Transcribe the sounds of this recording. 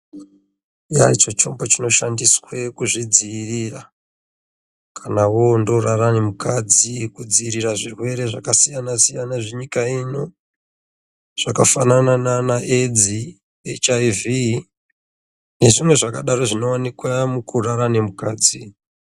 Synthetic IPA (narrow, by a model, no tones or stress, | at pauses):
jait͡ʃot͡ʃo̞mbo̞t͡ʃino̞ʃandiswe̞kuʐid͡ziːrira | kʰanawondo̞rarane̞mukad͡zikud͡ziiɾiraʐirwe̞ɾe̞ʐakasijanasijanaʐeɲikaino̞ | ʐ̥akafananananaʔed͡zi | et͡ʃaivi | ne̞ʐimwe̞ʐakaɗaɾo̞ʐino̞wanekwamukuraɾane̞mukaːd͡zi